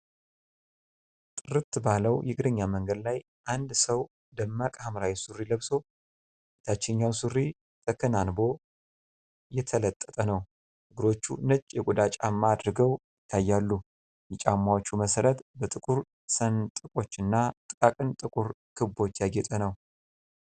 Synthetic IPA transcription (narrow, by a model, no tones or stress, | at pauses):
t̪ʼɨɾɨt̪ːbaləwjɛɡɨd̪əɲːaməŋɡəd̪laj | ʔand̪səw | d̪əmːakʼamɾawisurːiləβso̞ | t̪ʰat͡ʃːɛnɲawnsuɾːi | t̪ʰʼəkʰɨnanbo̞ | jɛt̪ʰələt̪ʼːət̪ʼənəw | hɨɡɨɾo̞t͡ʃːṵnət͡ʃʼːjɛkʼud̪at͡ʃʼamːad̪ɾɨɡəwjɪt̪ʰːajːalːu | jɛt͡ʃʼamːawot͡ʃːuməsəɾət̪bət̪ʼɨkʼuɾ | sənt̪ʼɨkʼo̞t͡ʃːɨnːat̪ʼɨkʼakʼɨnt̪ʼɨkʼuɾkʰɨbo̞t͡ʃːjaɡɛt̪ʼənəw